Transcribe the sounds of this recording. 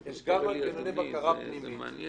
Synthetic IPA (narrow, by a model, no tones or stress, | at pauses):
eʃɡamalkenadebakaʁapnimit̪